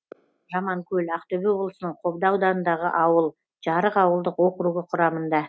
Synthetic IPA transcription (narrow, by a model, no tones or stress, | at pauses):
ʒɑmɑŋkʲʰɵlʲɑqt̪obio̞blˠəsənəɴqʰo̞bd̪ɑwd̪ɑnənd̪ɑʁəʔɑwəlˠ | ʒ̥ɑɾəqɑwəlˠd̪əqwo̞qəɾuʁəqʰʊɾɑmənd̪ɑ